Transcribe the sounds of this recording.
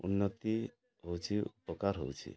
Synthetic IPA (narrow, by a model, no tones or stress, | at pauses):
ṵnːɔt̪i | ɦowt͡ʃʰiupɔkaɾɦo̰wt͡ʃʰḭ